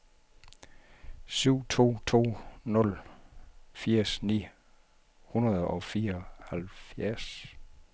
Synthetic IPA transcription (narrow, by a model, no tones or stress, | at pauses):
syʊ̰t͡sʰo̝̰ːt͡sʰo̝̰ːnɔ̽l | fiɐ̰snḭː | hunɐðˠɒ̽fiːɐɒhælfjæɐs